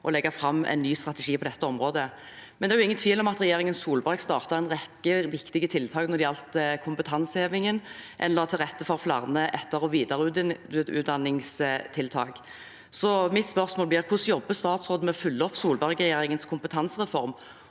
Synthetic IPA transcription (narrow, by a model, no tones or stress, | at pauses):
ʔɔlɛɡːɑfɾɑmːɛ̰ɪnːyːst̪ʁɑt̪ɛʂiːpʰɔd̪ɛt̪ːəɔmʁoːd̪ə | mɛnd̪ɛæjʊɪŋːənt̪ʰʋiːlɔmɑt̪ɾɛjeːʁɪŋənsuːlbɑɾɡst̪ɑːʁt̪ɑɾɛnʁɛkːəʋɪkt̪ɪɡət̪ʰɪlt̪ʰɑːknɔɾd̪ɪɑlt̪əkʰʊmpət̪ʰɑnsheːʋɪŋənʔɛ̰nːɔʁt̪ʰɪlʁɛt̪ːəfɔʁflɑ̰ʁnəʔɛt̪ːəʁɔʋiːd̪ɑʁʉʉ̰ːt̪̚d̪ɑnːɪŋst̪ʰɪlt̪ʰɑ̰ːk | sɔmɪt̪spœɾsmoːlblɪʁkʰʊsjɔbːəst̪ɑːt̪sʁoːd̪̩mɛɔfʉlːəɔpːsuːlbɑʁɡəʁɛjeːɾɪŋənskʰʊmpət̪ʰɑnsʁɛfɔɾm